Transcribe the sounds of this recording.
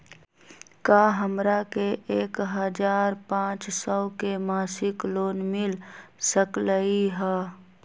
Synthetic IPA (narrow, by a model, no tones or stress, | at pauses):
kaːɦəmɾakeʔeːkɦəd͡ʒaːɾpãːt͡ʃsɔːkemaːsɪkloːnmɪlsəkləiɦɛː